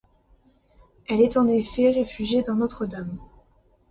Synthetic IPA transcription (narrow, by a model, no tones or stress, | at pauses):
ɛlɛt̪ɑ̃nefɛʁefyʒjed̪ɛ̃not̪χəd̪am